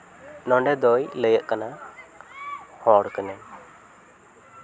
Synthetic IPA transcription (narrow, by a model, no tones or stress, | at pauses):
nɔɳɖɛd̪ɔjləjəʔkana | hɔɾkənɛn